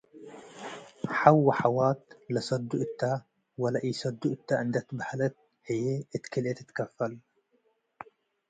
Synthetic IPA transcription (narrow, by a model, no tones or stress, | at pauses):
ħawːaħawaːt̪lasɑd̪ːuʔt̪ːa | walaʔijsad̪ːuʔt̪ːaʔɪnd̪at̪baħalat̪̚ | hɪjːeɪt̪kɪlet̪ɪ̥t̪kafːal